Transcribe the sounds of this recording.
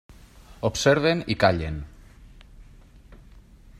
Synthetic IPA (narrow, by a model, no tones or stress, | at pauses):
opseɾβenikaʎḛn